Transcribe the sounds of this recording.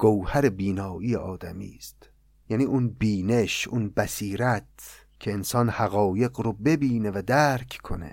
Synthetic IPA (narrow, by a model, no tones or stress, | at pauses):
ɡ̥owhæɾebiːnɒːʔijeʔɒːd̪æmḭːst̪ | jæniːʔunbiːne̞ʃunbæsiːɾæt̪ | cʰe̞ːnsɒːnhæɣɒːje̞ɡɾobe̞biːne̞væd̪æɾkʰkʰo̰nḛ